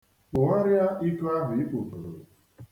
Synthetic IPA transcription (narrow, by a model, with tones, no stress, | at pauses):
k͡pʊ˨ŋa˦ɾja˦ʔi˦tʊ˦a˦ɦʊ˨i˦k͡po˨ko˨ɾo̰˨